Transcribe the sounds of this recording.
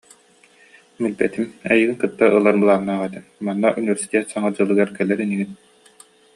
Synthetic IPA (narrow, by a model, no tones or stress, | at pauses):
milbɛt̪imɛjɯːɡɯŋkɯt̪ːaʔɯlˠaɾbɯlˠanːaːʁɛt̪ɛmmanːaʔunivɛɾsi̥t̪ɛt̪saŋad͡ʑɯlˠːɯɡaɾkɛlɛɾɛniɡin